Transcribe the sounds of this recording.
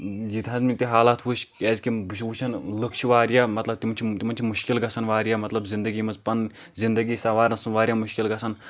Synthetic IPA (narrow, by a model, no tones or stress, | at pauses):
d͡ʒit̪ʰɐnzmit̪iɦaːlat̪ʰʋuʃʲɛːzʲkibuʃʰbut͡ʃʰɐnləkʃiʋaːɾjamɐt̪lɐb̚t̪imɐnʲt͡ʃʰit̪imɐnʲt͡ʃʰimuʃkilɡɐsʰɐnʋaːɾʲjaːmɐt̪lɐbzind̪əɡiːmɐzpɐnzind̪ɐɡiːsɐʋaːɾɐnsunʋaːɾjaːmuʃkʲilɡɐsʰɐn